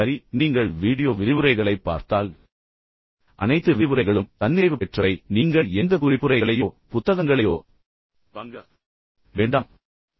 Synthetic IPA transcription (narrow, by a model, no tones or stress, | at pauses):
ɐɾiniːŋɡɐɭʋiːɽɪjoːʋɪɾɪʋɯɾɐɪɣɐɭɐɪpːa̰ːɾt̪aːl | ʔɐ̰nɐɪt̪ːɯʋɪʋɯɾɐɪɣɐɭɯmt̪ɐnːɪɪʋɯpɛʈrɐɪniːŋɡɐɭɛnd̪ɐkʊɾɪpːɯɾɐɪɣɐɭɐjoː | pʊt̪ːɐɣɐŋɡɐɭɐjo̰ː | pɐŋɡɐ | ʋeːɳɖaːm